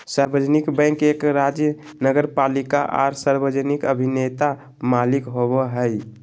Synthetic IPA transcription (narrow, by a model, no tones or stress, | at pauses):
saɾbəd͡ʒnikbə̃ɪ̃kekɾad͡ʒjə | nəɡəɾpalika̰ʔa̰ɾsaɾbəd͡ʒənikəbʱinet̪a | malikɦobəɦəj